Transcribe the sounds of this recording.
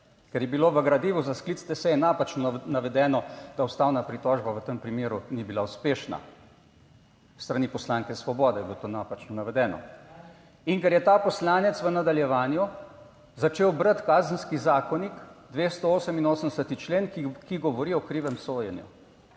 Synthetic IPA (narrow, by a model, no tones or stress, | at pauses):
kɛɾjɛbiloʋəɡɾad̪iːʋuzasklit̪st̪ɛsɛjɛnapat͡ʃnɔnaʋɛd̪ɛːnɔd̪̥aust̪aːwnapɾit̪ɔːʒbaʋət̪əmpɾimeːɾunibilauspeːʃna̰ | st̪ɾanipɔslaːŋkɛsʋɔbɔːd̪ɛjɛbilot̪onapat͡ʃnɔnaʋɛd̪ɛːnɔ̰ | iŋkɛɾjɛt̪apɔslaːnɛt̪sʋənad̪aljɛʋaːnju | zat͡ʃeːwbɾət̪kaːzənskizaːkɔnikd̪ʋeːst̪ɔoːsəminoːsənd̪ɛsət̪it͡ʃleːnkiɡɔʋɔɾiɔkɾiːʋɛmsoːjɛnjṵ